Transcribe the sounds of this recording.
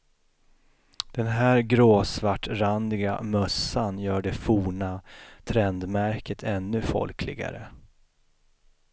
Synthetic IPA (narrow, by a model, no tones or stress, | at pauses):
d̪̥ɛnɦæːɾɡɾoːsvaʈːɾand̪ɪɡa̰mœsːanjœːɖɛfuːɳat̪ʰɾɛnd̪mæɾkət̪ʰɛnːɵfɔ̰lkʰlɪ̰ɡa̰ɾə